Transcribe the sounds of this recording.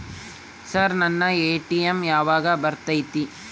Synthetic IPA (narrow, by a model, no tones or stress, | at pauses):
sɐɾnɐnːɐeːʈijɐmjaːʋaːɡɐbɐɾt̪ɐjt̪i